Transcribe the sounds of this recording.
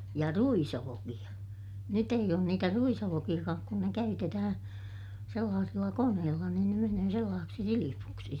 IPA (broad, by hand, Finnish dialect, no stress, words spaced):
jɑ ruisolokij̆ɑ nyt eij oːn niːtæ ruisolokij̆ɑkɑːk kun ne kæytetæhæ̃ː selːɑːsilːɑ koneːlːɑ niːn ne menøː selːɑːseksi silipuksi